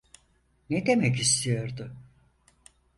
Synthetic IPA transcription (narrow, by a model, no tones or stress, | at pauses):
ned̪e̞mɛc̬ist̪ʰijo̞ɾd̪ʊ